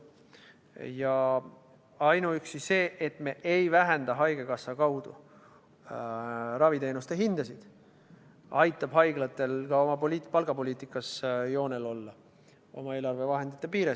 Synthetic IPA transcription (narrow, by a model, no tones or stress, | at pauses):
jɑ | ɑjnuyksisse̞ːʔet̪me̞ʔejvæɦend̪ɑɦɑjɡ̥e̞kɑsːɑkɑwd̪̥ṵ | ɾɑvit̪e̞ːnust̪e̞ɦind̪̥ɑsid̪̥ | ɑjt̪ːˑɑb̥ɦɑjɡlɑt̪ːˑe̞lkɑo̞mɑpolʲit̪pɑlɡ̥ɑpo̞lʲiːt̪ːˑikːˑɑsjo̞ːne̞lo̞lːɑ | o̞̰mɑe̞ːlɑrve̞vɑɦe̞nd̪̥it̪ˑːepiːɾe